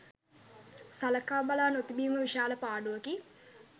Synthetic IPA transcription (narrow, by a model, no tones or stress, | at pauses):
saləkaːbalaːnot̪ibiːməʋiʃaːləpaːɖuʋɐki